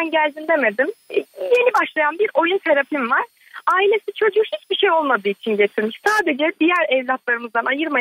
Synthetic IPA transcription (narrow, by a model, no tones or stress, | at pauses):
anɟælʲd̪ind̪e̞me̞d̪imje̞nibaʃlˠajanbiɾo̞jut̪ʰeɾapimvaɾ̥ | aːilʲe̞sit͡ʃʰo̞d͡ʒukhit͡ʃbiʃe̞jo̞lˠmad̪ɯit͡ʃʰinɟe̞t̪ʰiɾmiʃsaːd̪e̞d͡ʒɛd̪ijæɾɛvlʲap̪lˠaɾɯmɯzd̪anajɯɾma